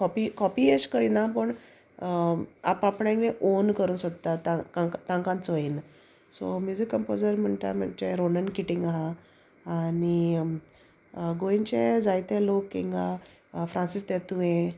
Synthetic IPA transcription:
kɔpikɔpieɕkəɾinapəɳ | a̰papɳẽŋleʔonkəɾuːnsot̪t̪at̪aakt̪ãŋkãnt͡soin | so̰mjud͡zikːəmpod͡zəɾm̤əɳt̪a̰mat͡ɕeɾonənkiʈiŋɡaɦa | ani | ɡoint͡ɕed͡zajt̪elokːiŋɡa | fɾãnsist̪et̪uẽ

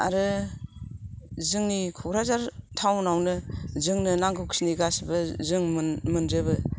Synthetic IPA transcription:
a̰ɾɯ | zɯŋnikʰɔɡɾazaɾtʰawnawnɯzɯŋnɯnaŋɡɯkʰsiniɡasbɯzɯŋmmɯnɾebɯ

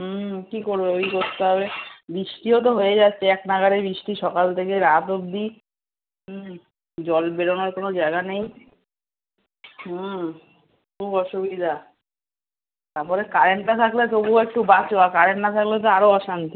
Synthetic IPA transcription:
kikoɾbeojkoɾt̪eɦɔβebɾiʃʈiot̪̬oɦojed͡ʑatːɕʰeɛknaɡaɾebɾiʃʈiʃɔkalt̪ʰekeɾat̪obd̪i | d͡ʑɔlbeɽonaɾkonod͡ʑaeɡanej | kubɔʃubid̪ʱa | t̪aɾpɔɾekaɾeɳʈat̪ʰaklet̪obuwekʈubat͡ɕoakaɾenːat̪ʰaklet̪̬oaɾoɔʃant̪i

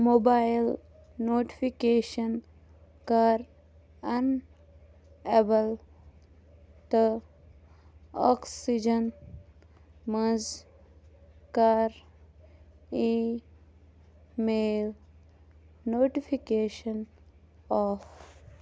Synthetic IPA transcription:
mobajl | noːʈi̥fʰikeːʃən | kaɾ | ɐn | ebəl | t̪ə | ɔ̰ksid͡ʒən | məz | kaɾ | i | mel | noːʈifʰikeːʃən | ɔːf

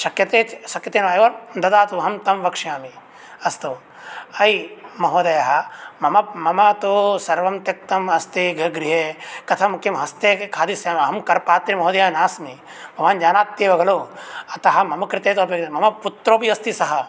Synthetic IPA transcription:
ʃɐkjɐt̪eːt͡ʃsɐkjɐt̪eːnɐʋaeʋɐɾd̪ɐd̪aːt̪uɦɐmt̪ɐmʋɐkʂjaːmi | ɐst̪oː | ɐimɐɦoːd̪ɐjɐɦɐmɐmɐmɐmɐt̪osɐɾʋɐmt̪jɐk̚t̪ɐmɐst̪eːɡʱɐɡɾiɦeːkɐt̪ʰɐmukimɦɐst̪eːkʰaːd̪isjamɐɦɐmkɐɾpaːt̪ɾimɐɦoːd̪ɐjaːnaːsmi | bʱɐʋaːnd͡ʒaːnaːt̪ːeːʋɐɡɐloːɐt̪ɐɦɐ̆mɐmɐkɾɪt̪eːt̪oɐpjɐk̪mɐmɐput̪ɾoːbiɐst̪isɐɦɐ

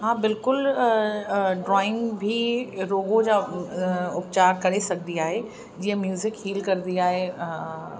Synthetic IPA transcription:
ɦãːbɪlkʊl | ɖɾɔːɪ̃ŋɡbʱiɾoːɡod͡ʑaː | ʊpt͡ɕaːɾkɐɽesɐɡʱd̪iaːɦe | d͡ʑiːə̃mjuːzɪkɦiːlkɐɾd̪iaːɦe

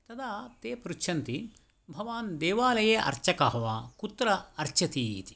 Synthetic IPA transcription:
t̪ɐd̪aːt̪eːpɾut͡ʃʃʰɐnt̪i | bʱɐʋaːnd̪eːʋaːlɐjeːʔɐ̰ɾt͡ʃɐkɐɦɐʋaːkut̪ɾɐɐɾt͡ʃɐt̪iːḭt̪i̥

